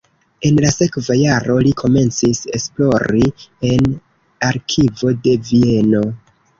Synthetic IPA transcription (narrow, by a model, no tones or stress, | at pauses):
e̞nlase̞kvajaɾo̞likʰo̞me̞nt͡sise̞̰splo̞ɾie̞n | aɾkʰivo̞de̞vie̞no̞